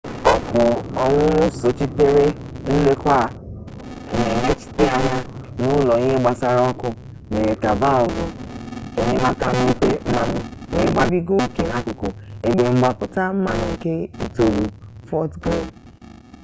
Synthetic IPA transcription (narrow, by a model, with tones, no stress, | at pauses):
ɔ˨kʊ˨ɔ˨ŋʷʊ̃˦nʊ˦so˨t͡ʃi˦te˦ɾe˦ | n̩˦le˦kʷa˦˨ | e˨ne˨ne˦t͡ʃi̥˦te˦a˦ɲa˦ | nʊ˦lɔ˨i˦e˦ɡ͡ba˨sa˦ɾɔ˦kʊ˧ | me˨ɾe˨ka˨va˦ɔ˨vʊ˨e˨ne˨mã˦ka˦m̩˦i˦te˦m̩˦ma˦nʊ̃˨we˦ɡ͡ba˦bi˦ɡo˦˨ke˨nã˦ko˨ko˨e˨ɡ͡be˨ŋ͡m̩˦ɡ͡ba˨pʊ˨ta˦m̩˦ma˦˨nʊ̃˨ŋ̩˨ke˦i˨to˨lu˨fɔ˦tɡo˦˨